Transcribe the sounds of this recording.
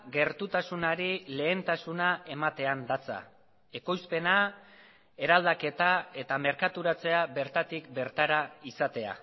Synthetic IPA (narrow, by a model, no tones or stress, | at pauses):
ɡe̞ɾt̪ut̪asunaɾile̞ːnt̪asunaʔe̞mat̪e̞and̪at͡sa̰ | e̞ko̞jspe̞na | e̞ɾald̪ake̞t̪ae̞t̪ame̞ɾkat̪uɾat͡se̞abe̞ɾt̪at̪ikbe̞ɾt̪aɾaisat̪e̞a̰